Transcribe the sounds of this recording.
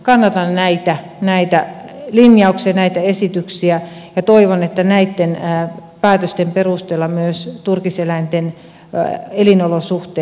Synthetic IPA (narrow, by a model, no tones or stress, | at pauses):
kɑnːɑt̪ɑnnæit̪æ | næit̪æ | linjɑuksiɑnæit̪æesit̪yksiæjɑt̪oiʋonet̪ːænæit̪ːenpæːt̪øst̪emperust̪eːlːɑmyøst̪urkiselæint̪en | elinolosuht̪eː